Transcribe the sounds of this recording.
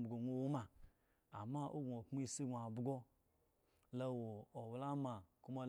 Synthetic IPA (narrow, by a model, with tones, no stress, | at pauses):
bɡo˨ŋʷo˦wo˦ma˨ | a̰˨ma˦ʔo˦ɡo˨kmu˦i˦si˦ɡʷa˨bɡo˦ | la˦wo˨o˨wla˦ma˨ku˦ma˦l